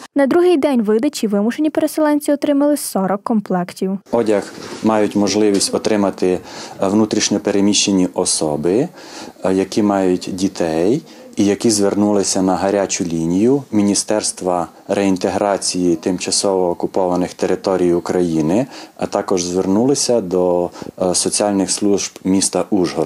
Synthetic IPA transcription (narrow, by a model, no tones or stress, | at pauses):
nɐd̪ɾuɦɪjd̪ɛnʲʋɪd̪ɐt͡ʃʲiʋɪmʊʃenʲipeɾeselˠɛnʲt͡sʲiɔt̪ɾɪmɐlˠɪsɔɾɔkːɔmplˠɛktʲiwɔdʲɐxmɑjʊtʲmɔʒlˠɪʋʲisʲtʲɔt̪ɾɪmɐt̪ɪʋnut̪ɾʲiʃnʲɔpeɾemʲiʃt͡ʃenʲːiʔɔsɔbɪ | jɐkʲimɑjʊtʲdʲit̪ʰɛj | ijɐkʲizʋernulˠɪsʲɐnɐɦɐɾʲat͡ʃʊlʲinʲijʊmʲinʲist̪ɛrst̪ʋɐ | ɾɛint̪eɦɾɑt͡sʲijit̪ɪmt͡ʃɐsɔʋɔːkʊpɔʋɐnɪxt̪eɾɪt̪ɔɾʲijʊkɾɐjinɪɐt̪ɑkɔʒzʋernulˠɪsʲɐd̪ɔsɔt͡sʲiɑlʲnɪxslˠuʒbmʲist̪ɐʔuʒɦɔ